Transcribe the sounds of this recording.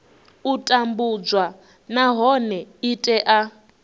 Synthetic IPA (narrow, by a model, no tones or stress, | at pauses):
utʼambud͡zwa | naɦɔnɛitʼɛʔa